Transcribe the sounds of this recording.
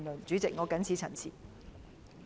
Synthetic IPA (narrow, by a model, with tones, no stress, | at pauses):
nlɵ˨˩nt͡syː˨˥t͡sɪ˨k̚ŋɔː˨˧kɐ˨˥nt͡sʰi˨˧t͡sʰɐ̰˨˩nt͡sʰiː˨˩